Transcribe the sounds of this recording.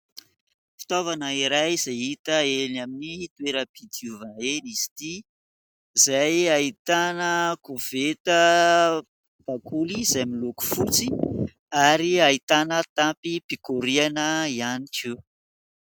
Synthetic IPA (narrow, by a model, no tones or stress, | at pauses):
fi̥t̪ovanəiɾajz̥aɦit̪əelnaminit̪weɾəb̥id̪iuvaneniz̥i̥t̪i | izajait̪anəkuvet̪ə | b̥akʰulizajmiluku̥fut͡si | aɾiait̪anət̪ampipikuɾianəianiki